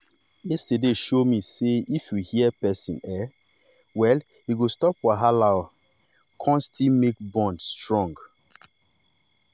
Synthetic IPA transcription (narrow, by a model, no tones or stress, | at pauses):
jɛstədeʃomiseifjuhiəpɛsḭ̃nɛ | wɛl | hiɡostɔpwaɦalaʊ | kʰɔ̃nstilmekbɔ̃ndstɹɔ̃ŋɡ